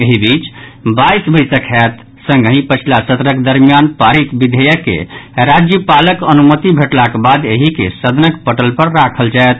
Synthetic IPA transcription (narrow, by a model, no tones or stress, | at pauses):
eɦibit͡ʃbaisbʱəjsəkʰat̪ | sə̃ŋɡɦĩpət͡ʃʰilasət̪ɾəkd̪əɾmijanpaɾit̪bid̪ʱejəkːḛɾad͡ʒjəpaləkənumət̪ibʱeʈlakebad̪eɦikḛsəd̪ʱənəkpəʈəlpəɾːakʰəld͡ʒaet̪̚